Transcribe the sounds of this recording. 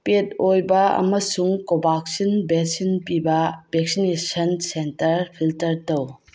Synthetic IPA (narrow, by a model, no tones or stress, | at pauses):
pet̚ojbɐɐ̰mɐsuŋkobaksinbesinpibɐb̥ʱek̚sinesɐnsentɐɾpʰiltɐɾtɐw